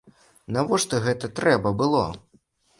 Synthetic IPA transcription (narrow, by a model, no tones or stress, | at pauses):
navɔʂt̪ɔɣɛt̪ɐt̪ɾɛbɐbɨlˠɔ̰